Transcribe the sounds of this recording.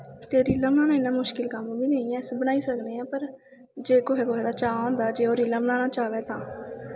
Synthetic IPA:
t̪eːɾiːlaːbənãːnãːɪnãːmʊʃkɪlkəmbiːneĩːɛ̃ːsbənaːiːsəkneːɛ̃ːpəɾ | d͡ʒeːkoɦekʊɦeːd̪aːt͡ʃaːõːnd̪aːd͡ʒeːoːɾiːlaːbənãːnaːt͡ʃaːʋeːt̪ãː

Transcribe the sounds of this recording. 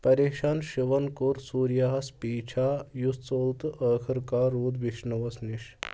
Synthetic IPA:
pɐɾeːkʃaːnʃiʋɐnkuːɾsuːɾjaɦɐspiːt͡ʃʰaːjust͡soːlt̪ʔəːkʰɐɾkaɾuːd̪ʋiʃnɐʋɐsniʃ

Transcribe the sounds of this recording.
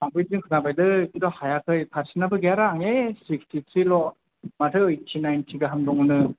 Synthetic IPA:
saŋbɯzɯŋkʰɯnabajdɯkʰidɔhajakʰɯjpʰaɾsinabɯɡeaɾaŋesikstʰit̪ʰɾilɔ | matʰɯɯjtʰːinajntʰiɡaɦamdɔŋnɯ

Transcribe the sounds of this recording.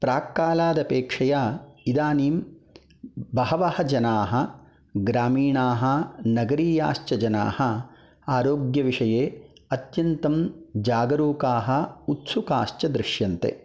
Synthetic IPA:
pɾaːkːaːlaːd̪ɐpeːkʂɐjaːid̪aːniːm | bɐɦɐʋɐhɐd͡ʒɐnaːɦɐ̆ | ɡɾaːmiːɳaːɦɐ̆nɐɡɐɾiːja̰ːʃt͡ʃɐd͡ʒɐna̰ːhɐ | aːɾoːɡjɐʋiʂɐjeːɐt̪jɐnt̪ɐmd͡ʒaːɡɐɾuːkaːɦɐ̆ut̪sukaːʃt͡ʃɐd̪ɾɪʂjɐnt̪ḛ

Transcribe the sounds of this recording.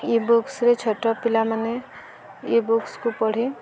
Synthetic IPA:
iboksɾet͡ʃʰɔʈːɔpilamane | ibokskupɔɽ̤i

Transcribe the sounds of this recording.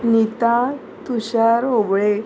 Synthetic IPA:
nit̪a | t̪uɕaɾobɭe

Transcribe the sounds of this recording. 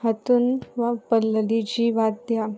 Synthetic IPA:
ɦət̪unʋapəlːəlid͡ʑiːʋat̪̚d̪ja

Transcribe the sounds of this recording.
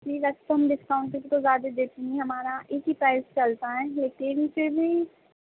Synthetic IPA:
tiːkɐt͡ʃt̪oɦɐmɖɪskaːʊɳʈkekt̪ozaːd̪ed̪eːt̪iniɦɐmaːɾaʔeːkɦipaːɪst͡ʃɐlt̪aɦɛ̃ːleːkɪnfɪɾbʱi

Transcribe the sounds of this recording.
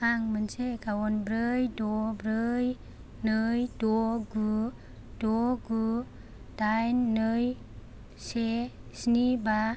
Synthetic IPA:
aŋmɯnsekawɔnbɾɯjdɔbɾɯj | nɯjdɔɡu | d̥ɔɡu | d̥ajnːɯj | se | sniba

